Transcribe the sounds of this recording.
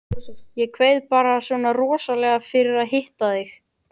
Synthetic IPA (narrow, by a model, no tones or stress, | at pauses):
jɛkʰvejðpaːɾasvɔːnarɔːsalɛɣafɪɾɪɾaðɦɪht̪aθɪx